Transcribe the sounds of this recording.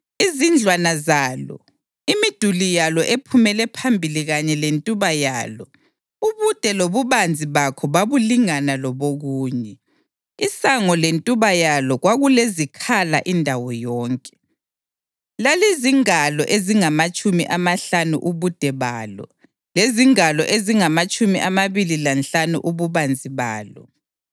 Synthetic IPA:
izind͡ɮʱwanazaːlɔ̰ | imid̥ʱulijalɔʔepʰumɛlɛpʰambʱiliɣaɲɛlentʼuβajaːlɔ | uβud̥ʱɛloβuβand͡zʱiβakʰɔβaβuliŋanalɔβoɣuːɲɛ | isaŋɔlentʼuβajalɔɣwaɣulezikʰala̰ʔindʱawɔjɔːŋkʼɛ̥ | laleziŋalɔ̰ʔeziŋamat͡ʃʼumḭʔamaɬanṵʔuβud̥ʱɛβaːlɔ̰ | leziŋalɔ̰ʔeziŋamat͡ʃʼumiʔamaβililanɬanṵʔuβuβand͡zʱiβaːlɔ̰

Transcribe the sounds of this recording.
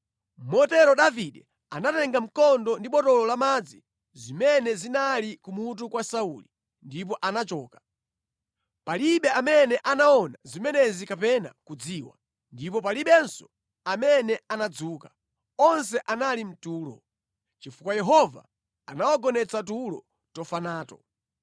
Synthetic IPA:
mɔtɛɾɔɗaviɗɛ | anatɛŋɡam̩kɔndɔndiɓɔtɔlɔlamaːd͡zi | zimɛnɛzinalikumut̬ukwasauli | ndip̬ɔʔanat͡ʃɔːkḁ | paliɓɛamɛnɛʔanaɔnazimɛnɛzikapɛna̰kud͡ziːwa̰ | ndipɔp̬aliɓɛnsɔ | amɛnɛanad͡zuːkḁ | ɔnsɛʔanalim̩tuːlɔ̰ | t͡ʃifukwajɛɦɔva̰ | anawaɡɔnɛt͡sat̬ulɔ̰ | tɔfanaːtɔ

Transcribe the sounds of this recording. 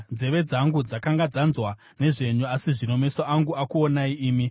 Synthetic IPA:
d͡ze̞ʋe̞d͡zaŋɡud͡zakaŋɡad͡zanzwa | ne̞ʐe̞ɲuasiʐino̞me̞soʔaŋɡuakuonaiiːmi

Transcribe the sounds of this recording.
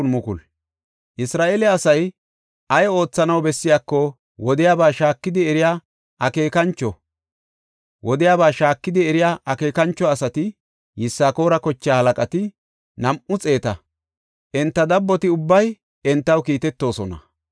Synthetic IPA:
mʊkʊl | ʔɪsɾaːʔeːlɛɐsɐj | ɐjɔo̞ːt͡sːɐnɐwbɛsːɪjaːkːɔ | wɔd̪ɪjaːbaːʃaːkːɪd̪ɪɛɾɪja | ʔɐke̞ːkɐnt͡ʃːɔ | wɔd̪ɪjaːbaːʃaːkːɪd̪ɪɛɾɪjaʔɐke̞ːkɐnt͡ʃːɔɐsɐt̪ɪ | jɪsːaːko̞ːɾɐkɔt͡ʃːjaːhɐlɐkʼɐt̪ɪ | nɐmʔʊt͡sʼe̞ːt̪ɐ | ʔɛnt̪ːɐd̪ɐbːɔt̪ɪʊbːɐj | ɛnt̪ːɐwkiːt̪ɛt̪ːo̞ːsɔnɐ̰

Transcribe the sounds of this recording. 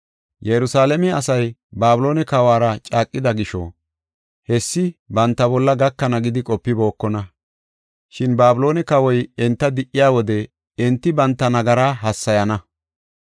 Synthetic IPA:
jɛɾʊsaːlɛmɛɐsɐjbaːbɪlo̞ːnɛkɐwaːɾɐt͡ʃʼaːkʼːɪd̪ɐɡɪʃɔ̰ | hɛsːɪbɐnt̪ːɐbɔlːɐɡɐkːɐnɐɡɪd̪ɪkʼɔpːɪbo̞ːkːɔnɐ | ʃɪnbaːbɪlo̞ːnɛkɐwɔjɛnt̪ːɐd̪ɪʔːɪjaːwɔd̪ɛ | ɛnt̪ːɪbɐnt̪ːɐnɐɡɐɾaːɦɐsːɐjɐnɐ

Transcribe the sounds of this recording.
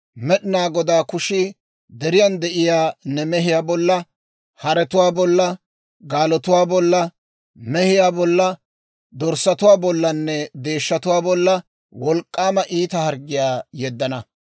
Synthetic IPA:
mɛɗɪnaːɡɔd̪aːkʊʃɪ | d̪ɛɾɪjɐnd̪ɛʔɪjaːnɛmɛɦɪjaːbɔlːɐ | hɐɾɛt̪ʊwaːbɔlːɐ | ɡaːlɔt̪ʊwaːbɔlːɐ | mɛhɪjaːbɔlːɐ | d̪ɔɾsɐt̪ʊwaːbɔlːɐnːɛd̪e̞ːʃːɐt̪ʊwaːbɔlːɐ | wɔlkʼːaːmɐʔiːt̪ɐhɐɾɡɪjaːjɛd̪ːɐnɐ

